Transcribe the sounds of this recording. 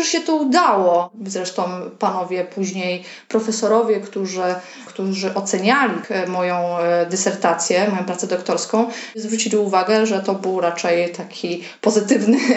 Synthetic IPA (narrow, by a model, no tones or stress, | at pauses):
ʐɕɛt̪ɔud̪awɔzɾɛʂt̪ɔ̃w̃panɔvʲjɛpuʑɲej | pɾɔfɛsɔɾɔvʲjɛkt̪uʐɘ | kt̪uʐɘʔɔt̪sɛɲalʲimɔjɔ̃w̃d̪ɘsɛɾt̪at̪sʲjɛmɔjɔ̃pɾat̪sɛd̪ɔkt̪ɔɾskɔ̃w̃zvɾut͡ɕilʲiuvaɡɛʐɛt̪ɔbɘwɾat͡ʂɛjt̪akʲʰi | pɔzɘt̪ɘvnɘ